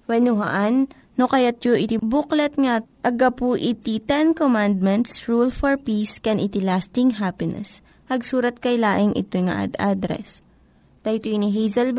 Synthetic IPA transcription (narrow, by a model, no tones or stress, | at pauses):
wɐnʊɦa̰ʔanː | okɐjat̪̚joʔɪt̪ɪbʊklɐt̪ŋaʔɐɡapuʔɪt̪it̪ɛnkomand̪̚mɛnt̪sɹulfɔɹpiskɛnʔɪt̪ɪlast̪ɪŋɦapɪnɛ̰s | hɐɡsuːɾɐt̪̚kɐjlaːʔɪŋʔɪ̰t̪ojŋa̰ʔa̰d̪ad̪ɾɛ̰s | d̪̥ajt̪uiniɦejzɐl